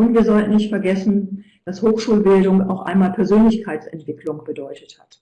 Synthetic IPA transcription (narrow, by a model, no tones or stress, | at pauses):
ʔʊntv̥iːɐzɔltn̩nɪçtfɛɐɡɛsn̩ | v̥ashoːxʃuːlbɪldʊŋa̰ʊxʔa̰ɪnmaːlpʰɛɐzøːnlɪçkʰaɪt͡sɛ̰ntv̥ɪkʰlʊŋb̥ədɔʏtəthat